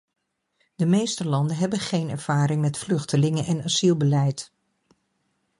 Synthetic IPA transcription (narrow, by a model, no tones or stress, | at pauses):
d̥əmejstəlɑndəɦɛbənχejnɛɹv̥aːɾɪŋmɛtflɵχtəlɪŋənʔɛnasilˠbəlɛjt